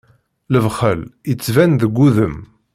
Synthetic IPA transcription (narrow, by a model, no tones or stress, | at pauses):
ləvχələt͡sːvænðəɡʷːuðəm